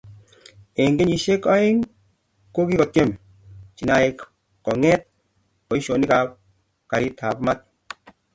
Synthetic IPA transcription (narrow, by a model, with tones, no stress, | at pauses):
e˨ŋɡe˦ɲi˨ʃe˦kɔ˦e˦ŋ | ko˦ki˦kɔ˨te˦˨m | t͡ʃi˨na˨e˨k | kɔ˨ŋɛ˦t̚ | ɔ˨i˦ʃo˨ni˦ka˨p̚ | ka˨ɾi˦tʰa˨pma˦t̚